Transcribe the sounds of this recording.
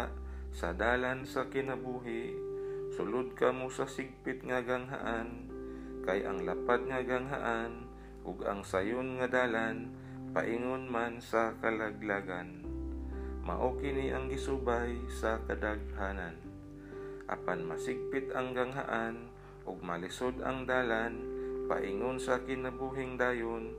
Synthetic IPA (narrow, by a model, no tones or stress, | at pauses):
sɐd̪aːlansakɪnabuːɦɪʔsʊlʊd̪̚kamosasɪɡ̚pɪt̪̚ŋaɡaŋɦa̰ʔan | kajʔa̰ŋlapad̪̚ŋaɡaŋɦa̰ʔan | ʔʊɡa̰ŋsajonŋad̪aːlan | pa̰ʔɪŋonmansakɐlaɡ̚laːɡan | ma̰ʔokɪniʔɐŋɡɪsuːbajsɐkɐd̪aɡ̚ɦaːnan | ʔa̰panmɐsɪɡ̚pɪt̪ɐŋɡaŋɦa̰ʔan | ʔʊɡ̚mɐlɪsod̪a̰ŋd̪aːlanpa̰ʔɪŋonsakɪnɐbuːɦɪŋd̪aːjon